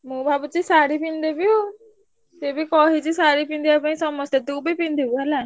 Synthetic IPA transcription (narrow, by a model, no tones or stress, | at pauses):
mũːbʱaːbut͡ʃisaːɾipĩnd̪ebio | t̪ebikɔːɦid͡ʒisaːɾipĩnd̪iɐpãĩsɔməd͡ʒt̪et̪uːbʱipĩnd̪euɦɛla